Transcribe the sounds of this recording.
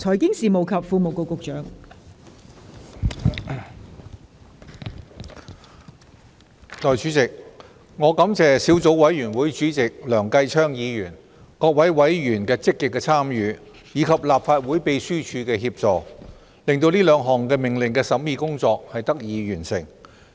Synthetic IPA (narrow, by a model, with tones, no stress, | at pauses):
t͡sʰɔː˨˩jkɪ˥ŋsiː˨mo˨wkʰɐ˨pfuː˧mo˨wko˨wkʊ˨k̚t͡ʃœː˨˥ŋ | t̪ɔː˨jt͡ʃyː˨˥t͡sɪ˨k̚ | ŋɔː˨˧kɐ˨˧˥mt͡sɛː˨siː˨˥wt͡so˨˥wwɐ˨˥jɥyː˨˩nwuː˨˥jt͡ʃyː˨˥t͡sɪ˨k̚lœː˨˩ŋkɐ˧jt͡ʃʰœː˥ŋjiː˨˧jyː˨˩n | kɔː˧k̚wɐ˨˥jwɐ˨˥jjyː˨˩nkɛː˧t͡sɪ˥kːɪ˨kːɛː˧t͡sʰaː˥mjyː˨˧ | jiː˨˧˥kʰɐ˨p̚laː˨p̚faː˧t̚wuː˨˥jpe˨˧jsyː˥t͡ʃʰyː˨˧kɛː˧ɦiː˧p̚t͡sɔː˨˩ | lɪ˨ŋt̪o˧wliː˥lœː˨˧˥ŋɦɔː˨˩ŋkɛː˧mɪ˨˩ŋlɪ˨˩ŋkɛː˧sɐ˨˥mjiː˧˩kʊ˥ŋt͡sɔː˧k̚hɐ˨jt̪ɐ˥k̚jiː˨˧jyː˨˩nsɪ̰˨˩ŋ